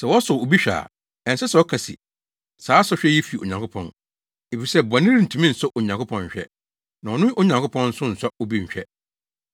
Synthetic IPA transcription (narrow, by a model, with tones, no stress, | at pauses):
sɛ˨wɔ˦sʊ˨o˨bi˦ɕᶣa̰ː˨ | ɛ̃˨sɛ˦sɛ˨ɔ˦kʰa˨sḭ˨ | saː˨˦sɔ˦ɕᶣɛ˦jɛ˦fi˨o̰˨ɲã˨ŋkʰʊ˦pʰɔ̰̃˨n | e˨fi˨sɛ˦ba˨nɪ̃˦ɾi˦n̩˨tʰũ˨mĩ˦n̩˨sʊ˦ʔo˨ɲã˨ŋkʰʊ˦pʰɔ̃˦˨ɲ˨ɕᶣɛ̰˦ | nã˨ɔ˨nʊ̃˦o˦ɲã˨ŋkʰʊ˦pʰɔ̃˦nn̩˦sʊ̃˦n̩˨sa˦o˦bĩ˦ɲ̩˨ɕᶣɛ̰˦